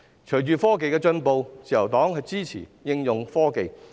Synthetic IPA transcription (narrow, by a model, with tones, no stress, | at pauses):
t͡ʃʰɵ˨˩t͡ʃyː˨˧fɔː˥ke˨jkɛː˧t͡ʃɵ˧npo˨wt͡siː˨˩jɐ˨˩wt̪ɔː˨˥ŋhɵ˧ɥt͡siː˥t͡sʰḭː˨˩jɪ˧ŋjʊ˨ŋfɔː˥ke˨˧j